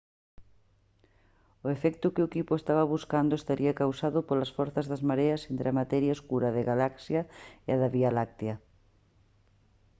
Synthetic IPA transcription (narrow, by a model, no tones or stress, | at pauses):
ʊefɛkt̪ʊkɪokipoʊest̪aβɐβuskand̪oest̪aɾʔiakawsaðʊpolɐsfɔɾθazðazmaɾeasent̪ɾamat̪ɛɾjaoskuɾaðeɣalaksjaeaðaβialak̚t̪jɐ